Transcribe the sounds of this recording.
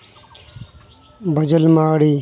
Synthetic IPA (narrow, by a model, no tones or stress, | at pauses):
bʱɐd͡ʑɐlmaːɽiː